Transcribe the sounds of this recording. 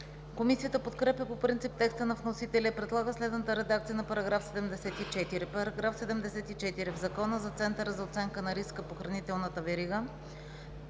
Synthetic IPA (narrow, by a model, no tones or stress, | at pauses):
komisijət̪əpot̪kɾɛpjəpopɾint̪ip̚t̪ɛkst̪ənɐvnosit̪ɛlʲɐipɾɛd̪lˠaɡəslɛd̪nət̪əɾɛd̪akt̪sijənɐpɐɾɐɡɾafsɛd̪ɛmd̪ɛsɛt̪it͡ʃɛt̪iɾipɐɾɐɡɾafsɛd̪ɛmd̪ɛsɛt̪it͡ʃɛt̪iɾivzɐkɔnəzɐt̪sɛnt̪əɾəzɐot̪sɛŋkənɐɾiskəpoxɾɐnit̪ɛlˠnət̪əvɛɾiɡə